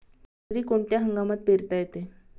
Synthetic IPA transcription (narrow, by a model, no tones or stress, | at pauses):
ɾiːkoɳʈ̪jaɦəŋɡamat̪̚peɾt̪ajet̪e